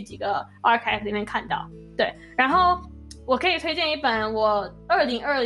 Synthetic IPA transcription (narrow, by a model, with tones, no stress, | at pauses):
t͡ɕi˨˩ɡə˦ | ɑ˥kʰɛ˥kli˨˩mjɛ˥˧nkʰa˥˧nt̪ɑ̰˥˩ʊ | t̪we˥˩ɪ | ɻa˧˥nxo˥˩ʊ | wɔ˨˩kʰɤ˧˥i˨˩t̪ʰwe˥ɪt͡ɕjɛ˥˧ni˥˩pə˨˩˦nwɔ˨˩ | ə˥˩li˧˥ŋə˞˥˩l